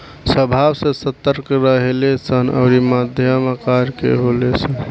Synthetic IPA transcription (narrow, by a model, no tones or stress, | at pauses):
səbʱabsẽsət̪əɾkɾəɦelesənə̰ʊɾimad̪ʱjəmakaɾkḛɦolet͡ʃʰə